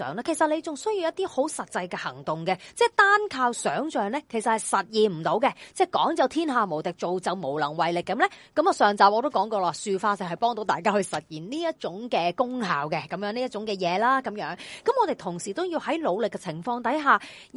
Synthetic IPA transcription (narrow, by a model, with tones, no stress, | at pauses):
œ̰ː˨˩ŋlaː˥kʰe˨˩jsɐ˨t̚le˨˧jt͡sʊ˨ŋsɵ˥ɥji˧wjɐ˥t̪̚iː˥ho˨˥wsɐ˨t̚t͡sɐ˧jkɛ˧hɐ̰˨˩ŋt̪ʊ˨ŋkɛ˧t͡sɛː˥˩t̪aː˥nkʰaː˧wsœː˨˥ŋt͡ʃœː˨˩ŋlɛ˥kʰjsɐ˨t̚hɐ˨jsɐ˨t̚jiː˨nm̩˨˩t̪o˨˧˥wkɛ˧t͡sɛː˥˩kɔː˨˥ŋt͡sɐ˨˧wt̪ʰiː˥nɦaː˨mo˨˩wt̪ɪ˨k̚t͡so˨wt͡sɐ˨wmo˨˩wlɐ˨˩ŋwɐ˨jlɪ˨kːɐ˨˥mlɛ˥kɐ˨˥mɐ˨˧sœː˨˩ŋt͡saː˨p̚ʔɔː˨˧t̪o˥wkɔː˨˥ŋkɔː˧laː˧syː˨faː˧t͡sɪ˨˩whɐ˨jpɔː˥ŋt̪o˨˥wt̪aː˨jkaː˥hɵ˧jsɐ˨t̚jiː˨˩nniː˥jɐ˥t̚t͡ʃʊ˨˥ŋkɛː˧kʊ˥ŋha̰ː˨wkɛ˧kɐ˨˦mjœː˨˥ŋniː˥jɐ˥t̚t͡sʊ˨˥ŋkɛː˧jɛː˨˧laː˥kɐ˨˦mjœː˨˥ŋkɐ˨˥mɔː˨˧t̪e˨jt̪ʰʊ˨˩ŋsiː˨˩t̪o˥wjiː˧whɐ˨˥jlo˨˧wlɪ˨kːɛ˧t͡sʰɪ˨˩ŋfɔː˧ŋt̪ɐ˨˥jɦaː˨˩